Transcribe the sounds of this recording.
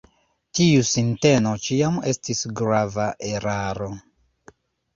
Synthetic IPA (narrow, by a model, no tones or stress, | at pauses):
tiusinte̞no̞t͡ʃiame̞stisɡɾavaʔeɾaɾo̞